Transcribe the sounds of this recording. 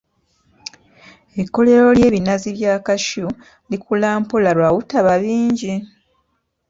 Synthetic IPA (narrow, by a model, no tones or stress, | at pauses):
ekːo̞le̞ɾo̞lje̞ːβinaziβjaːkaʃu | likulaːmpulaɾwawutaβaβiːɲɟi